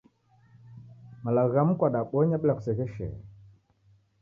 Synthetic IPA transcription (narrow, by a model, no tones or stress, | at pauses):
malaɣam̩kwaɗaɓɔɲaɓlaku̥sɛɣɛʃɛ̰